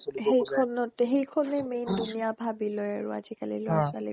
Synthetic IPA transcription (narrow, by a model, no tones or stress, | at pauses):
hejkʰɔnɔtɦejkʰɔnɛmejndunijabʱabilɔja̰ɹʊ̰a̰zikalḭlɔsalḭ